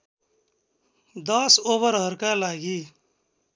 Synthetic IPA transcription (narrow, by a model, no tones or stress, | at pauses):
d̪ʌsoβəɾɦʌɾkalaɡi